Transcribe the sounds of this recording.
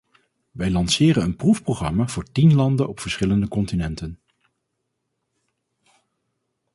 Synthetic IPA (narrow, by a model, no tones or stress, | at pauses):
ʋɛjlɑnsɪːɾənənprufprowχrɑ̰maːv̥ʊːɹtinlɑndənɔpfəɹsχɪləndəkɔntinɛntən